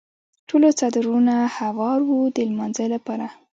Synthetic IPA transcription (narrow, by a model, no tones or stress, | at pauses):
ʈʰolot͡sad̪ɾunahawɑɾwud̪əlmanzəjlapɑɾa